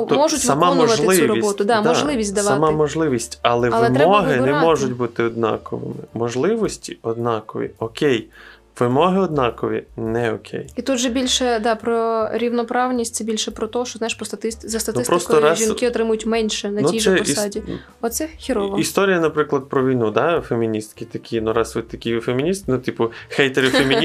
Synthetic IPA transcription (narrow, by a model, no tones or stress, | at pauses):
mɔʒʊtʲʋɐmamɔʋɐtlɪɪsuʋɾɔibɔt̪ʊd̪ɑmɔʒllˠɪʋʲisʲtʲd̪ɐsʋɑɐmamɔʒlˠɪʋʲisʲtʲɐlˠɛʋɐlˠɛmmɔɦɪnɛmmɔʒʊt̚ʲbut̪ɪɔd̪̚nɑ̰kɔ̰ʋɪ̰mɪmɔʒlˠɪʋɔsʲtʲiɔd̪̚nɑkɔʋʲḭɔkʲej | ʋɪmɔɦɪɔd̪̚nɑkɔʋʲḭnɛɔkʲʰḛjit̪ud̪ʒɛbʲilʲʃɛd̪ɑpɾɔɾʲiwnɔpɾɑwnʲisʲtʲsɛbʲilʲʃɛpɾɔt̪ɔɦɔʃt͡ʃɔznɑjɪʃpɾɔst̪ɐt̪ɪszɐst̪ɐt̪ɪspɾɔst̪ɔɾɑʒʲinkɪɔt̪ɾɪmʊjʊtʲmɛnʲʃɛnɐnʲijʒsɛsɑdʲi | ɔt̪sɛxʲiɾɔʋɔist̪ɔɾʲijɐnɐpɾɪklˠɐd̪̚pɾɔʋʲijnud̪ɑfemʲinʲist̪kɪt̪ɐkʲʰinuɾɑsʋɪt̪ɐkʲifemʲinʲist̪̚nut̪ipʊxɛjt̪eɾɪfemʲi